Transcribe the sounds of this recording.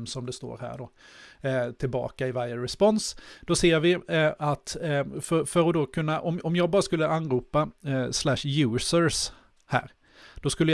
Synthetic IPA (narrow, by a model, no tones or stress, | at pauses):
msɔmd̪ɛst̪o̰ːɾhæ̰ːɖɔ | t̪ʰɪlbɑ̰ːkaɪvaɾjəɾɛspɔnsd̪̥ɔseːɾvɪat̪fœɾfœɾɔd̪ɔkʰɵnːaʔɔmɔmjɑːɡbɑːɾaskɵlːəanːɾuːpaslæʂjʉ̟ːsəɾs | hæ̰ːɾ | d̪̥ɔskɵlːəj